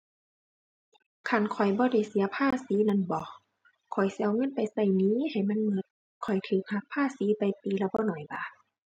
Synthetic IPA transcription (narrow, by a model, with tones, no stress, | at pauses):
kʰa˧˩˨nkʰɔ˨˩jbɔː˧˦da˧˩jsi˨˦ɐpʰaː˧˥˨siː˨˦na˧˥˨nbɔː˧ | kʰɔ˨˩jsi˧ʔwŋɤ˧˥˨npa˨jsa˧˩˨jniː˧˦ha˨˩jma˧˥˨nmɯ˧˥t̪̚ | kʰɔ˨˩jt̪ʰɯː˧˩k̚ha˧˥k̚pʰaː˧˥˨siː˨˦pa˨jt̪iː˨˦la˧˩bɔː˧˥˨nɔː˨˩jbaː˧˨